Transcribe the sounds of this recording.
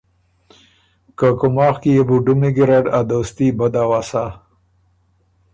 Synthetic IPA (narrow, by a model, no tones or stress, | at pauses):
kəkʊmɑːxkijebuɖumiɡiɾeɖad̪ost̪ibad̪awaːsa